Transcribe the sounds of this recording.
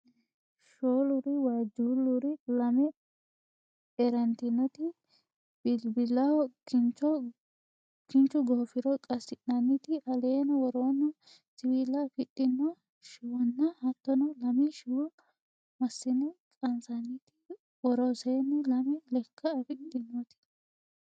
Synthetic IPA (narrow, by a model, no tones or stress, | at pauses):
ʃoːlʊɾɪwaːd͡ʒulːʊɾɪlɐmɛ | ɛɾɐnt̪ɪnːɔt̪ɪ | bbɪlːɐwɔkɪnt͡ʃɔ | kɪnt͡ʃːʊɡofɪɾɔkʼɐsɪʔɐnɪt̪ɪʔɐleːnɐwɔɾonːɐ | sɪwilːɐfɪt̪ʼːɪnːɔ | ʃɪwɔnːɐhɐt̪ːɔnɔlɐmɛʃɪwɔ | mɐsːɪnːɛkʼɐnsɐnɪt̪ɪ̥ | wɔɾɔseːnːɛlɐmɛlɛkʰːɐːfɪtʼːɪnːɔt̪ɪ̥